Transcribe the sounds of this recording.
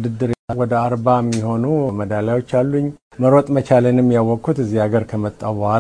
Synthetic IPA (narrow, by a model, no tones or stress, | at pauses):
d̪ɨd̪ːɨɾwɔd̪əaɾbamːiɦo̞numəd̪aljawo̞t͡ʃːalːuɲː | məɾot̪ʼmət͡ʃalənɨmːjawːɔkʰːut̪ɨzːihaɡəɾkʰəmət̪ʼːaβal